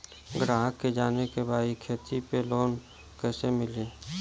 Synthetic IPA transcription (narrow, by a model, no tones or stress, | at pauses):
ɡɾaːɦkːed͡ʒaːnekebʱaːikʰeːt̪ipeloːn | kɛːsemɪleː